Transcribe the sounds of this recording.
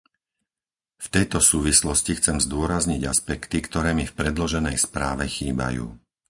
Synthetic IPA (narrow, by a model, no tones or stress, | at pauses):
ft̪ɛjt̪ɔsuːʋislɔscixt͡sɛmzd̪ʊɔɾazɲiɟaspɛkt̪ikt̪ɔɾɛːmifpɾɛd̪lɔʒɛnɛjspɾaːʋɛxiːba̰jṵː